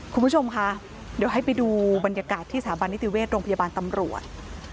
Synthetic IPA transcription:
kʰu˧npʰu˥t͡ɕʰo˧mkʰa˦˥ʔ | di˩˦wɦa˥˩jpa˧jduː˧ba˧nja˧kaː˨˩t̪ʰːiː˥˩saː˩˦ba˧nːi˦˥t̪i˨˩weː˥˩t̪̚ɾoː˧ŋpʰa˧jaː˧baː˧nt̪a˧mɾu˨˩ət̪̚

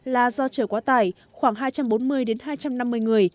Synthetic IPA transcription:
laː˨˩zɔ˧t͡ɕəː˧˩kwaː˨˦t̪aː˧˩j | xwaː˧˩ŋɦaː˧jt͡ɕa˧mɓo˨˦nmɨ˧əjɗe˨˦nɦaː˧jt͡ɕa˧mna˧mːɨ˧əjŋɨ˨˩əj

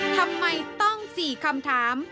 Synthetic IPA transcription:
t̪ʰa˧mːa˧jt̪ɔ˥˩ŋsiː˨˩kʰa˧mt̪ʰaː˩˦m

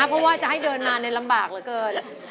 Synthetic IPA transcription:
pʰɾɔ˦˥waː˥˩t͡ɕa˨˩ɦa˥˩jdɤː˧nmaː˧na˧jla˧mbaː˨˩k̚lɤː˩˦kɤː˧n

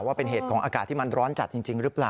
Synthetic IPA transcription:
waː˥˩pe˧nɦeː˨˩t̪̚kʰɔ˩˦ʔaː˧kaː˨˩t̪ʰːi˥˩ma˧nɾɔː˦˥nt͡ɕa˨˩t̪̚t͡ɕi˧ŋt͡ɕi˧ŋɾɯ˦˥plaː˨˩

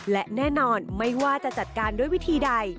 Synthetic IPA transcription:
lɛ˦˥ʔnɛː˥˩nɔː˧nma˥˩jwaː˥˩t͡ɕa˨˩ʔt͡ɕa˨˩t̪̚kaː˧ndu˥əjwi˦˥t̪ʰiː˧da˧j

